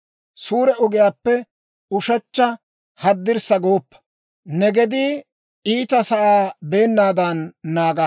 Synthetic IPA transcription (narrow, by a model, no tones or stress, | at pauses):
suːɾɛʊɡɪjaːpːɛ | ʊʃɐt͡ʃːɐ | hɐd̪ːɪɾsɐɡoːpːɐ̥ | nɛɡɛd̪ɪ | iːt̪ɐsɐʔaːbe̞ːnːaːd̪ɐnːaːɡɐ